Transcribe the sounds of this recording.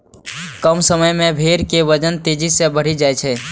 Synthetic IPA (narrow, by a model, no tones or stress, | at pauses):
kəmsəməjmẽbʱeːɾkeʋəd͡ʒənt̪ed͡ʒisẽbəɽ̤id͡ʒaːjt͡ʃʰɛ